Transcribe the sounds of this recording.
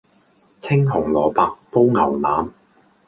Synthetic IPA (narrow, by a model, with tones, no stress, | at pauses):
t͡sʰɪ˥ŋɦʊ˨˩ŋlɔː˨paː˨˧k̚po˥wŋɐ˨˩wla̰ː˨˥m